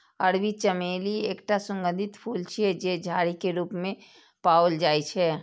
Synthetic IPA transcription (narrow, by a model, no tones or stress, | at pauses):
əɾwit͡ʃəmeːlieːkʈasə̃ŋɡə̃nd̪ʱɪt̪pʰuːlt͡ʃʰɛd͡ʒed͡ʒʱaːɾikeɾuːpmẽ | paːold͡ʒaːit͡ʃʰɛː